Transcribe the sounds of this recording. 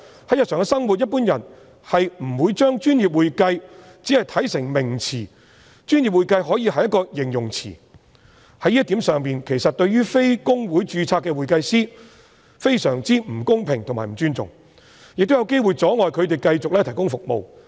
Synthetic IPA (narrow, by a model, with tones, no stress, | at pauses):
hɐ˨˥jɐ˨t̚sœː˨˩kɛ˧sɐ˥ŋwu˨t̚jɐ˥t̚puː˥njɐ˨˩n | hɐ˨jm̩˨˩wuː˨˧jt͡ʃœː˥ŋt͡ʃyː˥njiː˨p̚wuː˨jkɐ˧j | t͡siː˨˥hɐ˨jt̪ʰɐ˨˥jsɪ˨˩ŋmɪ˨˩ŋt͡sʰiː˨˩ | t͡ʃyː˥njiː˨p̚wuː˨jkɐ˧jɦɔː˨˥jiː˨˧ɦɐ˨jɐ˥t̚kɔː˧jɪ˨˩ŋjʊ˨˩ŋt͡sʰḭː˨˩ | hɐ˨˥jiː˥t̪iː˨˥msœː˨ŋpiː˨nkʰe˨˩jsɐ˨t̚t̪ɵ˧ɥyː˥fe˥jkʊ˥ŋwuː˨˥jt͡ʃyː˧t͡sʰaː˧kːɛː˧wuː˨jkɐ˧jsiː˥ | fe˥jsœː˨˩ŋt͡siː˥m̩˨˩kʊ˥ŋpʰɪ˨˩ŋt̪ʰʊ˨˩ŋmaː˨˩m̩˨˩t͡ʃyː˥nt͡sʊ̰˨ŋ | jɪ˨k̚t̪o˥jɐ˧wke˥jwu˨jt͡sɔː˨˥ŋɔː˨jkʰɵ˨˧ɥt̪̬e˨˩jkɐ˧jt͡sʊ˨k̚lɛː˥t̪ʰɐ˨˩jkʊ˥ŋfʊ˨k̚mo̰˨˧w